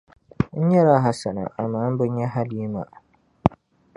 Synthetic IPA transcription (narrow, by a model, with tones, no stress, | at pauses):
n̩˦ɲɛ˦ɾa˦˨ɦa˨sa˨na̰˨a˨maː˦m̩˦bɨ˦ɲ˦ɲɛ˦ɦa˦li˦i˦ma̰˨